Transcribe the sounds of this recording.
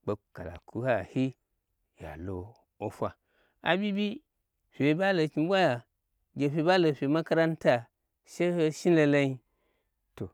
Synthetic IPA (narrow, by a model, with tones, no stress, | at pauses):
k͡po˨ka˨la̰˨ku˦ha˦˨hi˦ | ja̰˨lo˨ | o˦fʷa˨ | a̰˨bi˦bi˦ | fʲe˨˦ba˦lo˨kʲi˨˦bʷa˦ja˨ | ɡʲe˨ɸʲe˨˦ba˦lo˨ɸʲe˨ma˦ka˦ɾa˦n˦ta˨ | ʃe˦he˦ʃi˦nlo˨la˦ji˦ | to˨